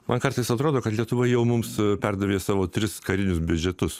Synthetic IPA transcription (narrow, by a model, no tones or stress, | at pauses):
mʔɐnkɐrt̪ɐɪsɐt̪ɾoːd̪oːkɐt̪lʲiɛt̪ʊʋɐɪjɛʊmʊmspʲɛrd̪ɐʋʲeːsɑːʋoːt̪ʲɾʲɪskɐɾʲɪnʲʊsbʲʊd͡ʒʲɛt̪ʊs